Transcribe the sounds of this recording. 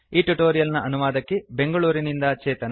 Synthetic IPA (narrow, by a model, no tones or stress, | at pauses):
iːʈuʈoːɾijɐlnɐʔɐnuʋaːd̪ɐkːebe̞ŋɡɐɭuːɾinind̪ɐt͡ʃɛːt̪ɐn